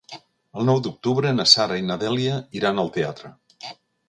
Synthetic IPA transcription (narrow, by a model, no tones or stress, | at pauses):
əlˠnɔwd̪uk̚t̪uβɾənəsaɾainəðɛliəiɾanəlˠt̪eat̪ɾə